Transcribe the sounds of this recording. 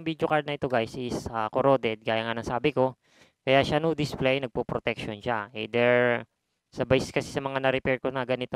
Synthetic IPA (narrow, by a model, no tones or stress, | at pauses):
ŋbid̪jokaɹd̪nɐʔɪt̪oɡajsʔɪsakoɾo̞ːd̪ɛd̪̚kaːjaŋanɐŋsaːbɪko̞ | kɐjaʃanod̪ɪsplɛjnɐɡ̚popɾot̪ɛkʃonʃaʔɛd̪ɛɹ | sɐbajsɛskɐsisɐmɐŋanɐɾɪpɛɹkonɐɡɐnɪt̪o